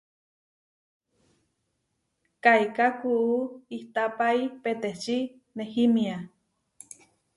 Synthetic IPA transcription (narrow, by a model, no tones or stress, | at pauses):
kajkakuʔuiht̪apaipet̪et͡ʃi | nehimia